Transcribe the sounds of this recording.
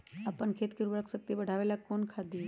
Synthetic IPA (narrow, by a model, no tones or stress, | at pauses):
apəɳkʰet̪kiɾubəɭəksək̚t̪ibəɽ̤ʱaʋelakonkʰad̪iː